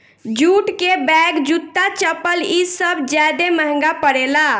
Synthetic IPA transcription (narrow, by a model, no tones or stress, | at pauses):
d͡ʒuʈkebɛɡd͡ʒut̪ːat͡ʃəpəlisəbʱd͡ʒɛd̪eməɦŋɡapəɽela